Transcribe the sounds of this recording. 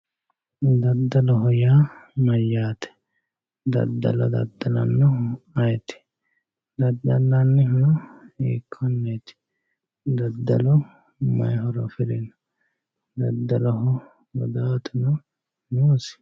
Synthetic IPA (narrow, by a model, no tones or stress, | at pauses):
d̪ɐd̪ːɐlɔɦɔjamɐjːaːt̪ɛ̥ | d̪ɐ̰d̪ːɐ̰lɐd̪ɐ̰d̪ːɐlɐnːɔɐjɛt̪ɪ̥ | d̪ɐd̪ɐlːɐnːɪhɔjɔḛːkʰːɔnːeːt̪ɪ̥ | d̪ɐd̪ːɐlɔ | mɐ̰jɦɔɾɔfɪlɛnɐ | d̪ɐd̪ːɐlɔɦɔ | ɡɔ̰d̪aːt̪ʊnɔ | nuːsɪ̥